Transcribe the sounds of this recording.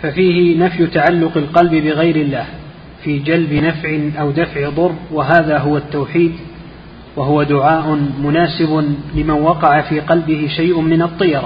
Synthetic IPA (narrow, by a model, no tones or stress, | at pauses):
fafiːhɪnafjt̪aʕalːʊqɪlqɑlbɪbɪɣajɾɪlːaːh | fiːd͡ʒalbɪnafʕɪʔawd̪afʕɪd̪ˤʊrˤːwaɦaːðaːɦʊwat̪ːawħiːd̪ | waɦʊwad̪ʊʕaːʔʊnmʊnaːsɪbʊlɪmanwɑqɑʕafiːqɑlbɪhɪʃajʔʊmɪnɑt̪ˤːɨjɑɾˤɑ